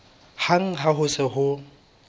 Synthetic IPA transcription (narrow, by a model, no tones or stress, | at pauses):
haŋ̩ɦaɦʊsɪɦʊ